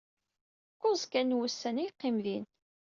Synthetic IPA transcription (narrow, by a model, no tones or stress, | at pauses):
kːozˤkænːwusːænijqːɪmðin